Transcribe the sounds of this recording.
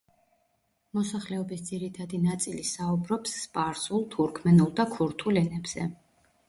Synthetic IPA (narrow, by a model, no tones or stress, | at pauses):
mɔsaχlɛɔbisd̪ziɾit̪ʰad̪inat̪sʼilisaubɾɔpsːpʼaɾsulˠt̪ʰuɾkʰmɛnulˠd̪akʰuɾt̪ʰulɛnɛbz̥ɛ̰